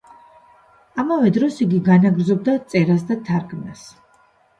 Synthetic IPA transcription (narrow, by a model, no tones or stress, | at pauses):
amavɛd̪ɾɔsiɡiɡanaɡɾd̪zɔb̚d̪at̪sʼɛɾas̬d̪at̪ʰaɾkʰnas